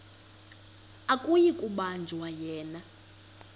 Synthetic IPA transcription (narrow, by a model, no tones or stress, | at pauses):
akʼujikʼuɓand͡ʒʱwajɛːna